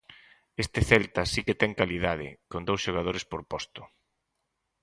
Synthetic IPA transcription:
est̪ɪθɛlt̪asiket̪ɛŋkaliðað̞ɪ̰kond̪owsʃoɣ̞að̞oɾɪspoɾpɔst̪ʊ̥

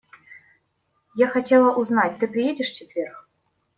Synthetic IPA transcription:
jaxatʲɛlˠɐʔuznatʲt̪ɨpɾʲɪjedʲɪʂft͡ɕɛt̪vʲɛrk

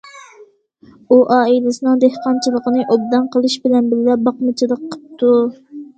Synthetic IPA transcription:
uʔɑːilɪsɨnɨŋd̪ehqɑnt͡ʃʰilˠəqənɨʔob̚d̪ɑnqʰəlˠɨʃbɪlɛnbɪllɛp̚bɑqmɨt͡ʃʰilˠəqʰːə̥p̚t̪ʰːu

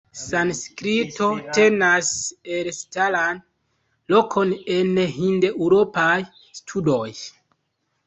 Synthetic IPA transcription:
sanskɾito̞te̞naselstalan | lo̞kʰo̞nenɦindeʔwɾo̞paj | stʰudo̞j

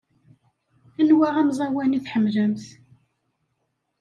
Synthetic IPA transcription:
ænwæʁæmzˤɑwæniθħəmːləmθ

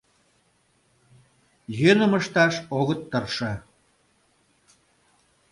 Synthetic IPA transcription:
jønə̆məʃt̪ɑʃoɣət̪ːərʃɤ̆

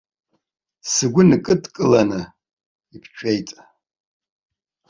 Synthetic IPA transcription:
sɨɡʷʊnkʼɨtʼkʼɨlanɨ | ipʰt͡ʃʷᶣʰejtʼ

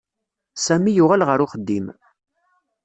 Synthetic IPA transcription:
sæmijʊʁælʁəɾʊχəd̪ːim

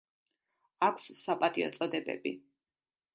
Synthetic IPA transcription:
akʷʰssapʼat̪ʼiɔ̰t̪sʼɔd̪ɛbɛ̰bi

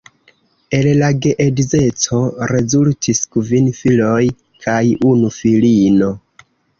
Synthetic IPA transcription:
e̞llaɡe̞ʔedize̞t͡so̞ɾe̞zultʰiskvinfilo̞j | kʰajunufilino̞

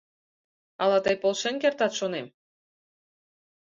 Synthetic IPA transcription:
ɑlɑt̪ɤjpolˠʃenkert̪ɑt̪ʃonem

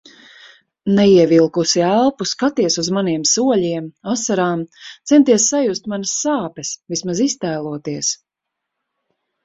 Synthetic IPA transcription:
nɛiɛvilˠkusiælˠpuskat̪iɛsuzmaniɛmsuɔʎiɛmasaɾaːmt̪sɛnt̪iɛsːajust̪̚manɐsːaːpɛsvismazist̪æːlˠuɔt̪iɛs

